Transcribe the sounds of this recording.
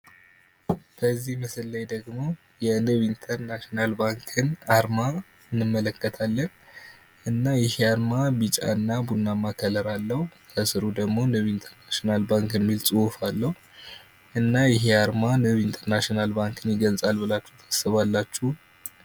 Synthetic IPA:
bəzːihməsɨlːajd̪əɡmo̞ | jɛnɨβiint̪ʰəɾnaʃionalbaŋkʰɨnaɾma | ɨnːɨmːələkːət̪ʰalːən | ʔɨnːajɪheaɾmabit͡ʃʼa̰ɨnːabunːamakʰələɾalːəhut̪ʰəsɨɾud̪əɡmo̞nɨβiint̪ʰəɾnaʃionalbaŋkɛmːilt͡sʼɨwfalːəhu | ʔɨnːajɪɦeaɾmanɨβint̪ʰəɾnaʃinalbaŋkʰɨnjɪɡəlt͡sʼalbɨlat͡ʃːɛwt̪ʰḁsːɨβalːat͡ʃːuh

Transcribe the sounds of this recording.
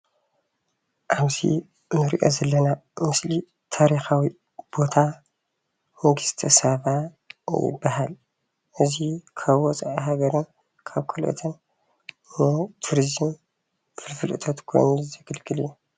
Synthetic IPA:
ʔaβzḭ | nɨɾiʔo̞̰zɐlːɐnamɨsli | t̪ʰaɾixawi | b̥o̞t̪ʰa | mɐɡɨst̪ʰɐsaβa | jɪ̰bːaɦal | ʔɨzikʰaβwɔt͡sʼʕaɦaɡɐɾɨn | kʰaβkʰulʔɨ̰t̪ʰɐn | mot̪ʰuɾizɨm | fɨlfɨlʔɨt̪ʰot̪kʰo̞̰jnzɨɡɨlkʰɨlɨjːu

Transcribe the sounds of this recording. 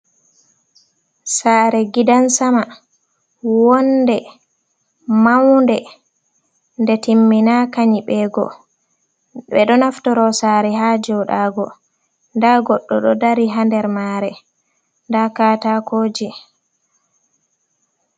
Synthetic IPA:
saːɾɛɡidansama | wɔndɛ | mawndɛ | ndɛtimːinakaɲiɓɛːɡɔ̰ | ɓɛɗɔnaftɔɾɔsaːɾɛɦaːd͡ʒɔwɗaːɡɔ̰ | ndaɡɔɗːɔɗɔdaɾiɦandɛɾmaɾɛ | ndakaːtakʰoːd͡ʒi

